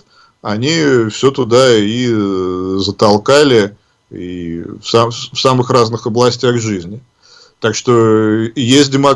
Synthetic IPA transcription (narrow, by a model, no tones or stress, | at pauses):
ɐnʲifsʲɵt̪ʊd̪ai | zət̪ɐlˠkalʲɪ | ḭfsafsamɨxraznɨxɐblˠɐsʲtʲaɣʐɨzʲnʲɪ | t̪akʂt̪o̞jesʲt̚ʲdʲɪmɐ